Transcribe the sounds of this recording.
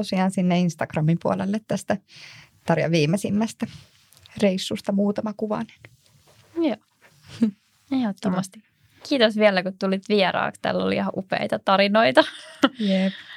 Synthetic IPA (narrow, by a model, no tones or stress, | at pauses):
osiɑːnsinːeinst̪ɑɡ̥rɑmimpuolḛlːet̪t̪æst̪æt̪ɑɾjɑ̰ʋiːmesimːæst̪æ | reisːust̪ɑmuːt̪ɑmɑkuʋɑ̰ne̥n | joː | ehot̪ːomɑst̪i | kiːt̪osʋiɛlækutt̪ulit̪ʋieɾɑ̰ːkst̪æ̰ːlːo̰lihɑʔupḛit̪ɑt̪ɑɾinoit̪ɑjep